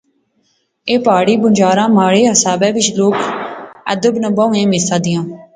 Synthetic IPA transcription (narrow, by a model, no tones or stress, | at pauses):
eːpaːɽiːbʊnd͡ʒaːɾãːmaːɽeːɦəsaːbɛːʋɪt͡ʃloːkə̰d̪əbnəbəũːẽːmɪːsãːd̪ɪjãː